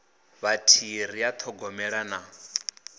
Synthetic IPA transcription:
βatʰiɾ̤ijat̪ʰɔɡɔmɛɺana

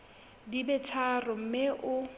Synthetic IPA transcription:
dibɛtʰarʊm̩meʔʊ

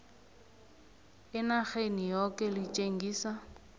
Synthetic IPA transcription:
ɪnaχenijɔkʼɛlit͡ʃʼeŋ̩ɡiːsa

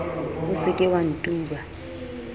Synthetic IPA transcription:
usɪkʼɛwan̩tʼuːɓa

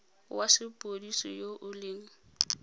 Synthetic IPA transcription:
wasɪpʼodisɔjoʔʊlɪːŋ̩

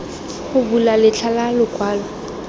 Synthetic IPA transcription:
χʊbulalɪt͡ɬʰalalʊkʼwaːlɔ

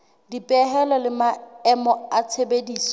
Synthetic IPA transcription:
dipʼɛɦɛlɔlɪmaɛmɔat͡sʰebediːsɔ

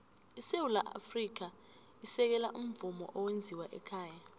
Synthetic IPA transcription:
isewulaʔa̰frik̬a | isɛk̬ɛlaʔum̩vumɔ̰ʔɔwend͡zʱiwaʔɛ̰kʰaːja

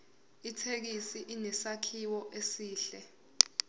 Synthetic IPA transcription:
itʰek̬isiʔinɛsakʰiwɔʔesiːɬɛ

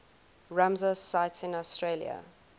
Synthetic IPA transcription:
ɹãmzəzsaɪtsɪ̃nɔstɹelj̰ə̰

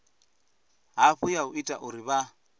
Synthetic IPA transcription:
ɦaɸujaʊitʼa̰ʔʊɾiβa

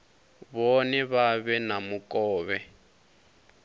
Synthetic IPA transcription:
βɔnɛβaβɛnamukʼɔːβɛ

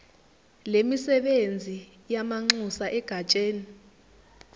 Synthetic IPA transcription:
lemisɛɓend͡zʱi | jamaŋ͡ǀusaʔɛɡ̥ʱat͡ʃʼeːni

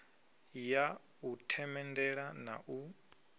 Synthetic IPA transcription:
ja | utʰɛmɛndɛɺana̰ʔu

